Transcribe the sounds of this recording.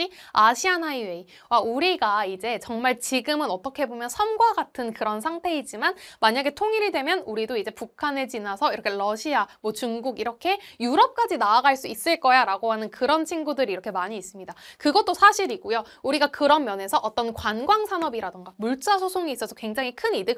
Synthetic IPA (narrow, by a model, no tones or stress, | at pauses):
iaɕʰianaiwei | wauɾiɡaid͡ʑe̞t͡ɕʌŋmaɭt͡ɕiɡɯmɯnʌt͈ʌkʰe̞bomjʌnsʰʌnɡwaɡatʰɯnkɯɾʌnsʰaŋtʰe̞id͡ʑimanmaɲaɡe̞tʰoŋiɾidwe̞mjʌnuɾidoid͡ʑe̞pukʰanet͡ɕinasʰʌiɾʌkʰe̞ɭʌɕʰiamwʌt͡ɕuŋɡuɡiɾʌkʰe̞juɾʌp̚k͈ad͡ʑinaaɡaɭs͈uis͈ɯɭk͈ʌjaɾaɡoɦanɯnkɯɾʌnt͡ɕʰinɡudɯɾiːɾʌkʰe̞maɲiːs͈ɯmɲidakɯɡʌt͈osʰaɕʰiɾiɡojo | uɾiɡakɯɾʌnmjʌne̞sʰʌʔʌt͈ʌnkwanɡwaŋsʰanʌbiɾadɯŋɡamuɭt͡ɕ͈asʰosʰoŋiis͈ʌsʰʌkwe̞ŋd͡ʑaŋikʰɯnidɯ